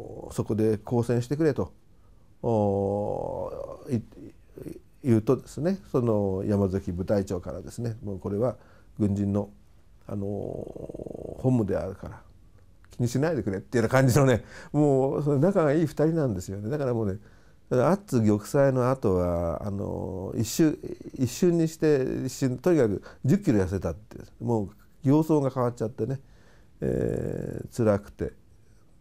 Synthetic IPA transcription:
so̞ko̞d̪e̞ko̞ːsẽɰ̃ɕi̥t̪e̞kɯ̟ɾe̞t̪o̞ | jɯ̟ːt̪o̞d̪e̞sɨne̞so̞nojamazɨkʲibɯ̟t̪ait͡ɕo̞ːka̰ɾa̰d̪e̞sɨne̞moːko̞ɾe̞βa | ɡɯ̟̃ɲ̟d͡ʑĩnːo̞ | a̰no̞̰ | hõ̞mːɯ̟d̪e̞a̰ɾɯ̟kaɾa | kʲiɲ̟iɕinaid̪e̞kɯ̟ɾet̪ːeiɯnakãɲ̟d͡ʑinone̞moːsononakaɡaiːɸɯ̥t̪aɾʲinãnd̪e̞sɨjo̞ne̞d̪akaɾamo̞ːne̞ | onat͡sɨɡʲo̞kɯ̟̥saino̞at̪o̞βaa̰no̰iɕːɨiɕːɨ̃ɲ̟ːiɕi̥t̪e̞iɕːɨ̃nt̪oɲ̟ikakɯ̟d͡ʑɨkʲːiɾo̞jas̬et̪at̪ːḛmoː | ɡʲo̞ːso̞ːɡakaβatːt͡ɕat̪ːe̞ne̞ | ḛːt͡sɨɾakɯ̟̥t̪e̞̰

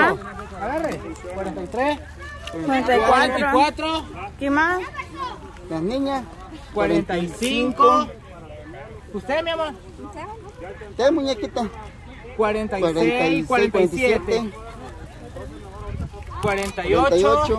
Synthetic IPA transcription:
aarekwaɾent̪ajt̪ɾe | ent̪awaɾeniɾwat̪ɾokima | naniɲa | kwaɾent̪aisiiŋko | kusemjama | t̪emuɲakit̪a | kwaɾent̪akwaɾent̪aisaɾekaent̪iet̪e | kwaɾent̪ajot̪ajot͡ʃo

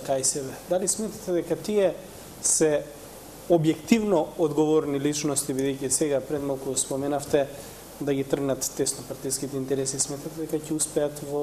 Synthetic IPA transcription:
kajsɛbɛd̪alismɛt̪at̪ɛd̪ɛkat̪iɛ | sɛ | objɛkt̪ivnɔod̪ɡɔvɔɾnilit͡ʃnɔst̪ibid̪ɛjcisɛɡapɾɛd̪malˠkuspɔmɛnaft̪ɛ | d̪aɡit̪r̩ɡnat̪ːɛsnɔpaɾt̪iskit̪ɛint̪ɛɾɛsismɛt̪at̪ɛd̪ɛkacɛuspɛat̪vɔ

